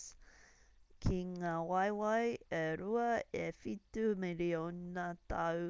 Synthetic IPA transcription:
kʰiŋaːwɐjwɐjeɾuɐefitumeɾionɐtʰɐ

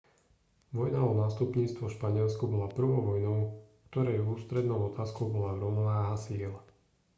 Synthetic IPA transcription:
ʋɔjnaɔnaːst̪upɲiːt͡st̪ʋɔfʃpaɲɪɛlskubɔlapr̩ʋɔʊʋɔjnɔʊkt̪ɔɾɛjuːst̪ɾɛd̪nɔʊɔt̪aːskɔʊbɔlavɾɔmɔʋaːɦasiːla

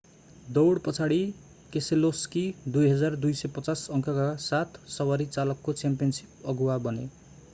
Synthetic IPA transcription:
d̪ʌwɽpʌt͡sʰaɽi | keseloskid̪ujɦʌd͡zard̪ujsʌjpʌt͡sasʌŋkʰakasat̪sʌwaɾit͡salʌkːot͡sampijʌnsi̥pʌɡuwabʌne

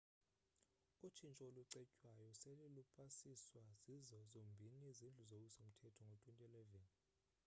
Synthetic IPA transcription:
ut͡ʃʰint͡ʃʼɔoluǀɛcʼwajɔselilupʰʼasiswazizɔzombʱiniizind͡ɮʱuzok̬usom̩tʰɛtʰɔŋɡʱotʼwintʼiɛlɛvɛni

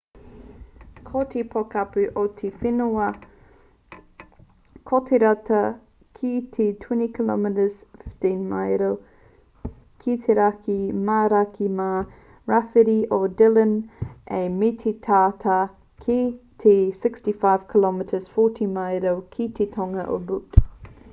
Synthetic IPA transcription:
kʰot̪ʰepʰokapʉʔot̪ʰefinoɐ | kʰot̪ʰeɾatʰɐ | kʰit̪ʰetʰwɛnikʰlɔ̰mɪtəzfɪftinmajɾow | kʰit̪ʰeɾakʰimaɾakʰima | ɹafiɾiʔodɪlənʔemitʰet̪ʰaːtʰa | kʰit̪ʰesɪkstifaɪv̥kʰilɔmɪtʰəz̥fɔːtʰimajɾowkʰit̪ʰetʰoŋɐʔo̰but

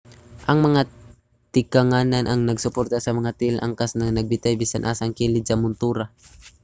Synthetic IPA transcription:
ʔɐŋmɐŋa | t̪ɪkaŋaːnanʔɐŋnɐɡsʊpoɾt̪asɐmɐŋat̪ɪlʔa̰ŋkasnaŋnɐɡ̚bɪt̪ajbiːsanʔaːsaŋkilɪd̪sɐmʊnt̪uːɾa

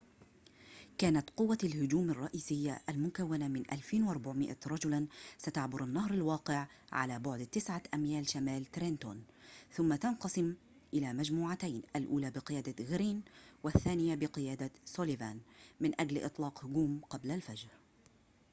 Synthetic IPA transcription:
kaːnat̪qʊwːalhʊd͡ʒuːmɑrˤːɑʔiːsɪjːaʔalmʊkawːanamɪnʔa̰lfiːnwʔɑɾˤbaʕmɪʔaɾˤɑd͡ʒʊlansat̪aʕbʊɾˤanːahɾˤalwɑːqɪʕ | ʕa̰laːbʊʕd̪t̪ɪsʕaʔamjaːlʃamaːlt̪ɾent̪oːn | θʊmːat̪anqɑsˤɪm | ʔɪlaːmad͡ʒmuːʕat̪ajnʔalʔuːlaːbɪqɨjaːd̪aɣɾiːnwaθːaːnɪjabɪqɨjaːd̪asoːlivaːnmɪnʔad͡ʒlʔɨ̰t̪ˤlɑːqhʊɡuːmqɑblalfad͡ʒɾ

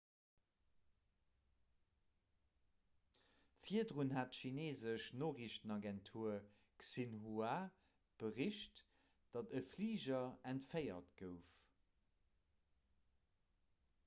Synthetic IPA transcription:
fiədʁunɦaːtʃineːzəʃnoːʁiʃənɑɡɛntʰuːɐ | ksinɦua | b̥əʁiʃt | d̥ɑdəfliːʒɐæntfəɪɐ̰tɡəʊf

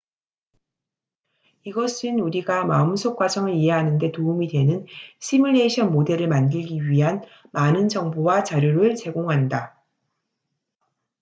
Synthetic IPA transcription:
iɡʌs͈ʰɯnuɾiɡama̰ɯmsʰok͈̚wad͡ʑʌŋɯɾiɦe̞ɦanɯnde̞toumidwe̞nɯnɕʰimiɭːe̞ɕʰʌnmode̞ɾɯɭmandɯɭɡiɥiɦan | manɯnd͡ʑʌŋbowat͡ɕaɾjoɾɯɭt͡ɕe̞ɡoŋɦanda

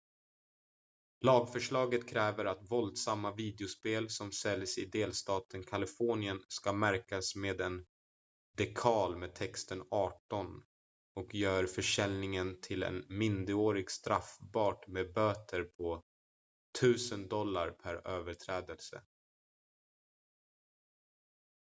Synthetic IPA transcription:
lɑːɡfœʂɭɑːɡət̪kʰɾɛːvəɾat̪vɔld̪samːaviːd̪ɛʊspeːlsɔmsɛljsɪd̪eːlst̪ɑːt̪ʰənkʰalɪfɔɳɪənskamæɾkasmeːd̪ɛn | d̪ɛkʰɑːlmeːd̪̚t̪ʰɛkst̪ənɑːʈɔn | ɔkjœːɾfœʂɛlnɪŋənt̪ʰɪlɛ̰nmɪnd̪əoːɾɪɡst̪ɾafbɑːʈmeːbøːt̪ʰəɾpʰɔ | t̪ʰʉ̟ːsənd̪ɔlːa̰ɾpʰæɾøːvəʈʰɾɛːd̪əlsə̰

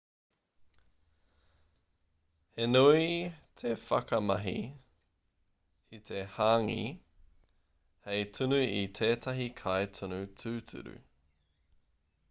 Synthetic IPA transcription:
henuit̪ʰefɐkɐmɐɦḭ | it̪ʰe̞haːŋḭ | hejt̪ʰunʉit̪ʰeːt̪ʰɐɦikʰajt̪ʰunʉt̪ʰʉːtʰʉ̰ɾʉ̰

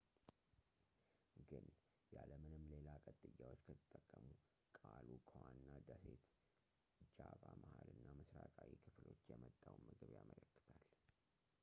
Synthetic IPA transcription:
ɡɨn | jaləmɨnɨmle̞lakʼət̪ʼːɨjːawo̞t͡ʃːkʰət̪ʰɨt̪ʼːəkʼːəmu | kʼalukʰəwanːad̪əset̪ | d͡ʒaβamahalɨnːamɨsɾakʼawikʰɨflo̞t͡ʃːjɛmət̪ʼːawmɨɡɨβjamələkːɨ̥t̪ʰal

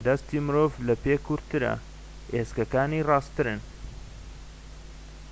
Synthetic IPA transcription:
d̪ɐst̪imɨɾoːvlɐpekʰuɾt̪ɨɾɐ̰ | ʔeskɐkaːnirɑːst̪ɨɾɨn

